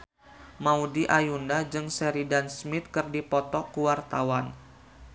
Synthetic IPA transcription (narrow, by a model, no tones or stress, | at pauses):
maudiʔajundad͡ʒɨŋsɛɾidansmɪt̪̚kɨrdipɔt̪ɔkuwart̪awan